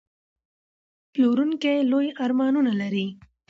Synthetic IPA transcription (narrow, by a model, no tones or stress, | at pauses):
ploɾunkelojaɾmɑnunalaɾi